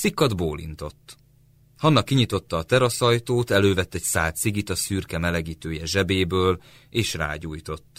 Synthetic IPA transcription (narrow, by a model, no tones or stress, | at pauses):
sikːɒd̪boːlḭnt̪o̞t̪ː | hɒnːɒkːiɲit̪o̞t̪ːɒːt̪ɛɾɒsɒjt̪oːt̪ɛløːvɛt̪ːɛcsaːt̪siɡit̪ɒsyrkɛmɛlɛɡiːt̪øːjɛʒɛbeːbøːl | eːʃra̰ːɟuːjt̪o̞t̪ː